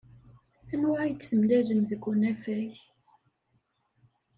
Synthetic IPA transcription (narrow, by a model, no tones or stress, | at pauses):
ænwajət͡sːθəmlæðəmðəɡʷːunæfæç